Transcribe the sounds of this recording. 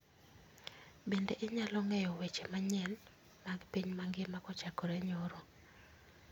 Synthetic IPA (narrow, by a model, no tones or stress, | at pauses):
bendeʔɪɲalɔŋɛjɔwet͡ʃemaɲɛl | maɡpiɲmaŋɡɪmakɔt͡ʃakɔɾɛɲoɾo